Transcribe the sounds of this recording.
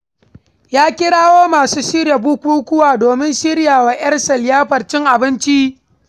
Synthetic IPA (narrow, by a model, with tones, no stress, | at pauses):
jaː˦kʲɪ˦ɽaː˦woː˦maː˨suː˦ʃɪ˦ɾja˨buː˦kʷuː˦kʷʊ˦waː˨doː˨mɪ˦nʃɪ˦ɽjaː˨waː˨j̰ʲɐ˦rsɐ˨ljaː˦ɸɐ˨rt͡ʃɪ˦ŋʔa˨bɪ˦nt͡ʃi˦